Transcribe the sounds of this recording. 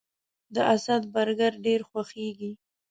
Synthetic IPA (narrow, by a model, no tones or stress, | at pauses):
d̪əʔasad̪baɾɡaɾɖeɾxwaxeɡi